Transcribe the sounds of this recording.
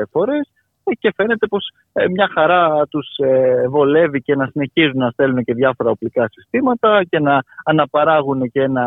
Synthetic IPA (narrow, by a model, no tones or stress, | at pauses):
fo̞ɾe̞s | ce̞fe̞ne̞t̪e̞po̞s | mɲɐxɐɾɐt̪usevo̞le̞vice̞nɐsine̞çizunɐst̪e̞lunece̞ðʝɐfo̞ɾɐo̞plikɐsi̥st̪imɐt̪ɐce̞nɐːnɐpɐɾɐɣune̞cee̞nɐ